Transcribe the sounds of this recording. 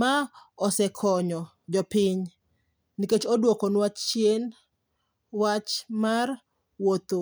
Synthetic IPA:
maɔsɛkʰɔɲɔ | d͡ʒɔpɪɲ | niket͡ʃodwokonwat͡ʃt͡ʃjen | wat͡ʃmar | wot̪o

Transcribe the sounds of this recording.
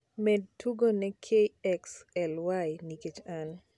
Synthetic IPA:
mɛd̚tuɡonɛkʰeɛksɛlwajniket͡ʃan

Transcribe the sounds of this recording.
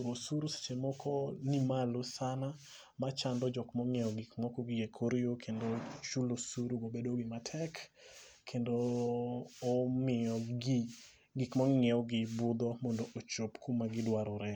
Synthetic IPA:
ɾosuɾuse̥t͡ʃemɔkʰɔnimalosana | mat͡ʃandɔd͡ʒɔkmɔŋɛɔɡikmɔkɔɡɪjekʰoɾjokʰendot͡ʃulosuɾuɡobedoɡɪmatʰɛk | kʰːendoː | mɪɔɡi | ɡikmɔŋɛɔɡɪbʊd̪ɔmɔndoʔot͡ʃopkʰumaɡɪdwaɾɔɾɛ

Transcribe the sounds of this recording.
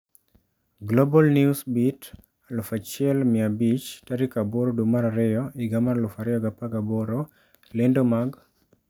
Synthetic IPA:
ɡlobɔlniusbit | lʊfat͡ʃɪɛlmɪabit͡ʃtaɾikabɔɾodumaɾaɾɪjɔɪɡamaɾlʊfaɾɪjɔɡapaɡabɔɾɔ | lɛndɔmaɡ

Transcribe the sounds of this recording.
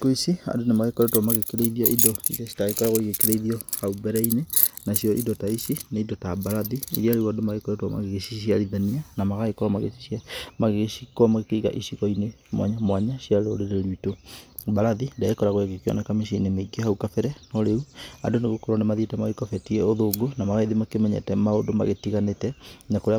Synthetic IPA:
koisia̰ndonemaɣekɔɾɛtwamaɣekeɾeiðiaʔidɔḭðesi̥taɣekɔɾaɣoiɣekeɾeiðiɔhaubɛɾɛinenasjɔʔḭdɔtaisineidɔtabaɾaðiḭɾiaɾewadomaɣekɔɾɛtwama̰ɣeɣesisiaɾiðanianamaɣaɣekɔɾamaɣḛsi̥sjamaɣeɣesikwamaɣekeiɣa̰ʔisiɣɔine | mwa̰ɲamwaɲasiaɾo̰ɾeɾeɾwitobaɾaðindaɣekɔɾaɣoekekeɔ̰nɛkamesinemeiɡehaukafɛɾɛnɔɾeua̰ndoneɣokoɾɔnemaðietɛmaɣekɔfɛtiɛoðoːɡonamaɣaiðimakemɛɲɛ̰tɛmaodoma̰ɣetiɣanetɛnakoɾea

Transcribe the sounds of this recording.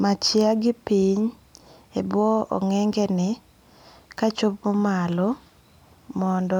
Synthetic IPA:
mat͡ʃjaɡɪpiɲ | ebwɔɔ̰ŋɛŋɡɛnɪ | kat͡ʃopmomalo | mɔndɔ

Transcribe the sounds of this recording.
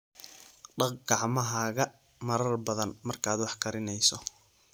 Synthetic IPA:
ɖɑqɡɑʕmɐɦaːɣɐ | mɐɾɐrbɐðɐnmɐrkʰaːd̪wɑħkʰɐɾɪnɛjsɔ

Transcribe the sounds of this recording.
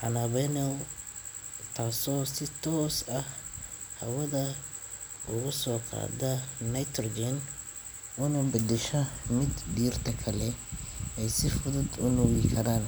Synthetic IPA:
ħɑnɐβɛnɛw | t̪ʰaːsɔːsɪt̪ʰɔːsɐh | hɐwɐðɐ | ʔʊɣʊsɔːqɑ̰ːdɐnɐjt̪ʰrɡɛn | ʔʊnɐbɐd̪ɛʃɐmɪd̪biːrt̪ʰɐkʰɐlɛɛjsɪfʊðʊd̪ʊnʊwikʰɐɾaːn

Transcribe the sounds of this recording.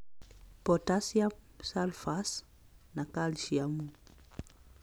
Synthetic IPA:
pɔtasia | salfas | nakaliʃiamu

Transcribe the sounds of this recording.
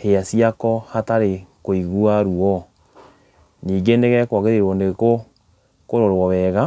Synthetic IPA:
heasijakɔhataɾekoiɣuaɾuɔ | niːŋɡeneɣɛkwɔɣeɾewɔneɣko | koɾoɾwɔβɛɣa

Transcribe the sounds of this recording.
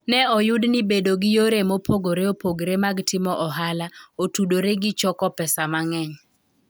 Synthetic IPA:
nɛɔjʊdnɪbedoɡɪjoɾemopʰoɡoɾeopoɡɾemaɡtɪmɔʔɔɦalaotudoɾeɡɪt͡ʃɔkɔpɛsamaŋɛɲ

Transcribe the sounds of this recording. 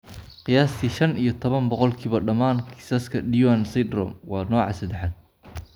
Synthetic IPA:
qɪjaːst̪ʰiːʃɐnijɞt̪ʰɔβɐnbɔqɔlkʰiːβɐɖɐmaːnkʰɪ̥sɐskʰɐɖijwansɐd̪rɔ̰ːmwɑːnɔːʕɑ̰sɐd̪ɛħad̪̚

